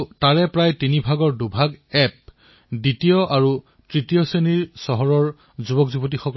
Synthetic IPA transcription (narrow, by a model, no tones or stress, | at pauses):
taɹɛpɹajtinibʱaɡɔɹdubʱaɡɛp̚ | ditijɔʔaɹu | tɹitijɔseniɹsɔɦɔɹɔɹ | zubɔkzubɔt̬ixɔkɔ